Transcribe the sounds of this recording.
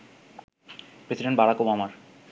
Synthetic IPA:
pɾesiɖeɳʈbaɽakobamaɾ

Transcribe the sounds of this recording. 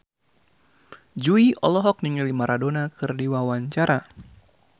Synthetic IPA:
d͡ʒuiɔ̰lɔɦɔk̚niŋilimaɾʔadonakɨrdiwawaɲt͡ʃaɾa

